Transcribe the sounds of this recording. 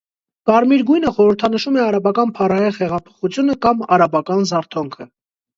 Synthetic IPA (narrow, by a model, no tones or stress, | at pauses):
kɑɾmiɾɡujnəχɔɾəɾt̪ʰɑnəʃumɛɑɾɑbɑkɑnpʰɑɾɑhiʁhɛʁɑpʰɔ̥χut͡sʰjunəkɑmɑɾɑbɑkɑnzɑɾt̪ʰɔŋkʰə